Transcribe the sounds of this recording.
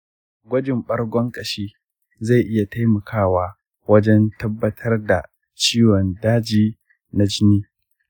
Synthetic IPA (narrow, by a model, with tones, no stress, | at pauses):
ɡʷɔ˦d͡ʒɪ˨mɓɐ˦rɡʷɔ˦ŋkʼɐ˨ʃiː˦ | za˦˨ʔɪ˦ja˨ta˦jmɐ˨kʰaː˦˨waː˦ | wɐ˦d͡ʒɛ˦ntɐ˦bːɐ˦tʰɐ˦rda˨ | t͡ʃiː˦wɔ˨ndaː˦d͡ʒiː˦ | na˨d͡ʒɪ˦niː˦